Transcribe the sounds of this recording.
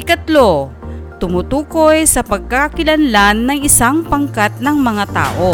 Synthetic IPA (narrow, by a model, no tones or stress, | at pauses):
ɪkɐt̪lot̪ʊmʊt̪uːkojsɐpɐɡ̚kakɪlɐnlanːɐŋɪsaŋpɐŋkat̪̚nɐŋmɐŋat̪a̰ːʔo